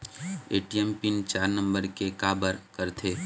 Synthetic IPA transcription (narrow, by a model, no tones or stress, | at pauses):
eːʈiɛmpɪnt͡ʃaːɾnɐ̃mbəɾkekaːbəɾkɐɾt̪ʰeː